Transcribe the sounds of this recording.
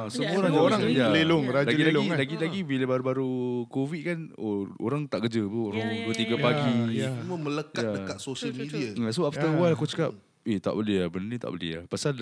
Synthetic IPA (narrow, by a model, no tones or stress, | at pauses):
asəmuɾaoɾaŋjaleloŋɾalaɡilalŋlaɡilaɡibilabaɾubaɾukovit̪̚kan | oo̰ɾaŋt̪aʔkəd͡ʒətuoɾaŋbət̪iɡapaɡiuməmə̃ləkatadəkat̪̚sosəlmiidiaəs̬oaft̪əwalakut͡ʃə̥kap̚ | it̪a̰ʔbəliabənənĩt̪a̰ʔbəlḭa̰pasal